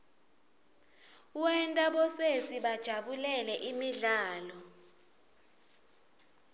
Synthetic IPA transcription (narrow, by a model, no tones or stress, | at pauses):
uwɛntʼaɓɔsesiɓad̥ʒ̥ʱaɓulɛlɛʔimiɮaːlɔ